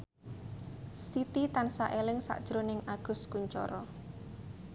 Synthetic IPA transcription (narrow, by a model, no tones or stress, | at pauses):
sit̪it̪ansa̰ʔelɪŋsa̰ʔd̥ʒ̥ɾonɪŋaɡ̥ʊ̤skuɲt͡ʃɔ̰ɾɔ